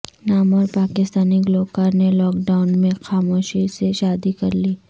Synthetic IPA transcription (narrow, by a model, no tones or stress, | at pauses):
naːmɔːɾpaːkɪst̪aːniɡloːkəɾnelɔːkɖaːʊnmẽxaːmoːʃiseʃaːd̪ikɐɾliː